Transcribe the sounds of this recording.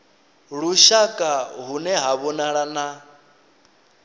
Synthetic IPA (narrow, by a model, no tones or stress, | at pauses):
ɺuʃakʼaɦunɛɦaβɔnaɺana